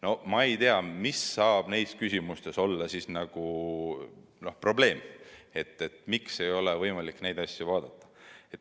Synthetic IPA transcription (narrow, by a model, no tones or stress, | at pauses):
no̞mɑejt̪eɑmisːɑːb̥ne̞jskysʲimust̪e̞so̞lːɑsisnɑɡ̥u | no̞pro̞ble̞ːme̞t̪ˑːe̞t̪mikse̞jo̞levɤjmɑlikːne̞jd̪ɑsʲːuvɑːd̪̥ɑt̪ːˑɑ̥e̞t̪